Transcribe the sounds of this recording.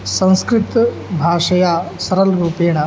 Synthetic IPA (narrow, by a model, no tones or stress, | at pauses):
sɐ̃w̃skɾɪt̪ | bʱaːʂɐjaːsɐɾɐlɾuːpeːɳɐ